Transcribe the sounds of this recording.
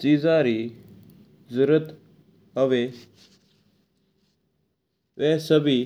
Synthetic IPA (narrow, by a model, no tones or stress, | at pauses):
t͡ʃiːzãːɾiː | zəɾət̪ | ɦəʋeː | ʋɛːsəbʱiː